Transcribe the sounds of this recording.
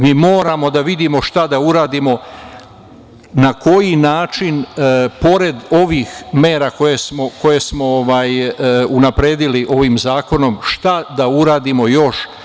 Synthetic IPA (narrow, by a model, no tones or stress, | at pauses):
miːmoːɾamo̞d̪aʋid̪imo̞ʃt̪ad̪auɾaːd̪imo̞ | nako̞jinaːt͡ʃinpo̞ɾe̞d̪o̞ʋixme̞ːɾako̞jesmo̞ko̞je̞smo̞oʋaːjunapɾe̞ːd̪iliʔo̞ʋiːmzaːko̞no̞mʃt̪ad̪auɾaːd̪imo̞jo̞ʃ